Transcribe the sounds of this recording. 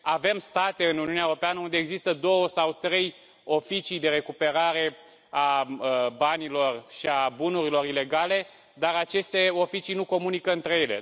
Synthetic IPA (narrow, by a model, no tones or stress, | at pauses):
ave̞mst̪at̪e̞ɨnuniunaeouɾo̞peanəund̪e̞ːɡzist̪əd̪o̞wəsawt̪ɾe̞j | o̞fit͡ʃijd̪e̞ɾe̞kupe̞ɾaɾe̞ | a | banilo̞rʃiabunuɾilo̞ɾile̞ɡale̞ | d̪aɾat͡ʃe̞st̪e̞o̞fit͡ʃijnuko̞munikəɨnt̪ɾe̞je̞lḛ